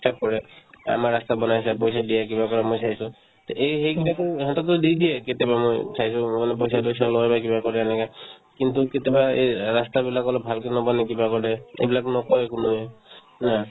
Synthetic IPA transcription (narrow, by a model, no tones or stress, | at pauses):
ap̚kɔɹɛa̰maɹast̪abɔnajsapojsadijakibakɔɹamojsaɦjsʊ̃ | t̪eʔeɦejkitakuɦatɔk̚tʊdidijɛketɛbamo̰jsʰajsʊ̃manɛp̬ojsadojsalojbakibakɔɾɛanɛkakint̪uketɛbaejɹast̪abilakɔlɔbʱalkenɔbɔnɛk̬ibakɔɹɛḛjbilakunɔkɔɛkʊnuɛ | na